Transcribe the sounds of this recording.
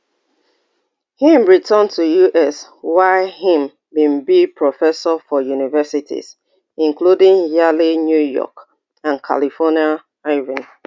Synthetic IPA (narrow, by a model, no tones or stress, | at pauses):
hĩmɹitʰə̃ntʰujuʔɛswaɪhĩm | bĩmbipʰɹɔfɛsɔfɔjunivɛsitʰḭz̥ | ĩŋkludĩŋjalinjujɔ̰k | ãnkʰa̰lifɔnia | ɹɛvĩn